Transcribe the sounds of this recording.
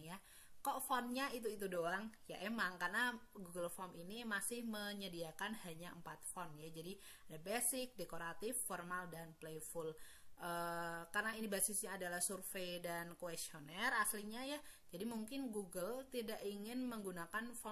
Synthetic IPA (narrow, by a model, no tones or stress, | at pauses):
ja | kɔʔfɔnɲait̪̬uit̪udoaŋja̰ʔemaŋkarnaɡuɡəlfɔminimasɪhməɲədiakanhaɲaəmpat̪̚fɔnjad͡ʒadi | adabesɪk̚dekoɾat̪ɪfːɔrmaldanplefulʔəkarnainibasɪsɲaːdalahsurfejdankoest͡ʃionɛrasliɲajad͡ʒadimuŋkɪnɡuɡəlt̪idaʔiŋɪnməŋɡunakanfɔ